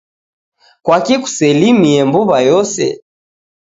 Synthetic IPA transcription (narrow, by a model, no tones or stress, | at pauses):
kwakiku̥sɛlimiɛmbuβajɔsɛ̰